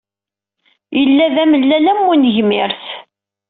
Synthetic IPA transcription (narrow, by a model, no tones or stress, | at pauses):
jəlːæðæməlːælæmːunʝmɪɾθ